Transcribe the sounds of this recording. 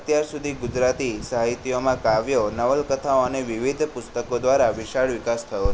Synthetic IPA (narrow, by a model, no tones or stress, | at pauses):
ət̪jaɾsud̪ʱiɡud͡ʒɾat̪isəɦait̪ijomãkaʋjonəʋəlkət̪ʰaoəneʋiʋid̪ʱpʊst̪əkod̪ʋaɾaʋiʃaɭʋɪkast̪ʰəjot͡ʃʰ